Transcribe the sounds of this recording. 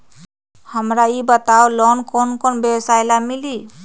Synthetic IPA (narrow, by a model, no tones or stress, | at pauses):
həmɾaibət̪aolɔnkɔnkɔnbjebsajlamili